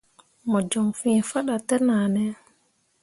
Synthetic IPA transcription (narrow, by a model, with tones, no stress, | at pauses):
mɔ˨d͡ʒɔ˨ŋfĩ˦˨fa˦ɗa˨tɛ˦naː˨nɛ˦